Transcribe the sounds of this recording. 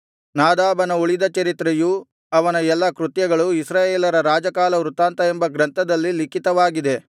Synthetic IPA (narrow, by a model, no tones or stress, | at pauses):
naːd̪aːbɐnɐuɭid̪ɐt͡ʃɐɾit̪ɾeju | ɐʋɐnɐɛlːɐkɾut̪jɐɡɐɭuisɾaːjeːlɐɾɐɾaːd͡ʒɐkaːlɐɾut̪aːnt̪ɐembɐɡɾɐnt̪ɐd̪ɐlːilikit̪ɐʋaːɡid̪e̞